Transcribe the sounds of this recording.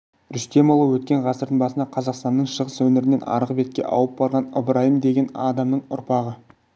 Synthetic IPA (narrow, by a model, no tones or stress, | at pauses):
ɾʏst̪e̞molˠəwɵt̪̚kʲe̞ɴʁɑsəɾd̪əɴbɑsənɑqʰɑzɑqst̪ɑnːəɴʃəʁəswɵnɪɾɪne̞nɑ̰ɾəʁbe̞t̪̚kʲe̞̰ʔɑ̰wəp̚bɑɾʁɑnə̰bɾɑjəmd̪e̞ɡʲe̞nɑ̰d̪ɑmnəɴʊ̰ɾpɑʁə